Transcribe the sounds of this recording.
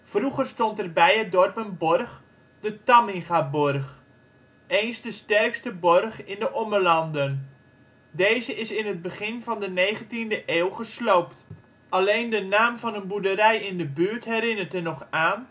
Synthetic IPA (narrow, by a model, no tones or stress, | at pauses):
fruχərstɔntɛrbɛjət̚dɔrpənbɔrχ | d̥ətamɪŋχabɔrχ | ejnsdəstɛrkstəbɔrχɪndəʔɔmərlɑndən | dejzəʔɪsɪnɦət̚bəχɪnvɑndənejχəntindəʔeːwˠχəsloːpt | ʔalejndənaːmfɑnənbudəɾɛjɪndəbyːrtɦɛɾɪnərtənɔχaːn